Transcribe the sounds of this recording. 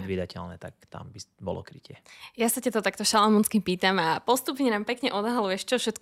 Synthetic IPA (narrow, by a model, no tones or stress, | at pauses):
d̪ʋiːd̪acɛlnɛːt̪a̰kt̪a̰mbibɔ̰lɔ̰kɾicɪɛjasacat̪ɔt̪akt̪ɔʃalamɔnskipiːt̪amapɔst̪upɲɛnaːmpɛkɲɛʔɔd̪ɦalujɛʃt͡ʃɔfʃɛt̪k